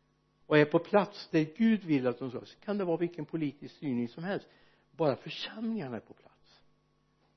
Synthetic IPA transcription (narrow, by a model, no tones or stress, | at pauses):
ɔæɾpʰɔpʰlat̪sd̪æɾɡʉ̟ːd̪vɪlːat̪̚d̪ɔmsɔ̰sɔ̥kʰand̪ɛvɑːvɪlkːənpʰʊliːt̪ɪskst̪yːɳɪŋsɔmhɛlst̪ | bɑːɾafœʂɛmlɪŋaɳaæɾpʰɔpʰla̰t̪s